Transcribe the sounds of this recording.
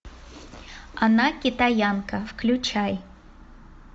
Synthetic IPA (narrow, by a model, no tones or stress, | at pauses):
anakʲɪt̪ajankɐfklʲʊt͡ʃaj